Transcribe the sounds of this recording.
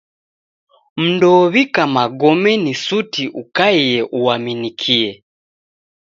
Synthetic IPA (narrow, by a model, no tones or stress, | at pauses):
m̩ndɔβikamaɡɔmɛnisutiʔukaijɛʔuwaminikʰiɛ